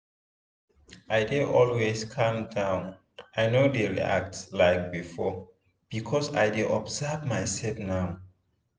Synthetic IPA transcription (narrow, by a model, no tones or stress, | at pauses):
ʔajdeʔɔlweskʰãmdãʊ̃n | ʔajnodeɹḭa̰k̚tslaɪk̚bifɔ | b̥ikʰɔsa̰jdeʔɔbzəvmajsɛtnaʊ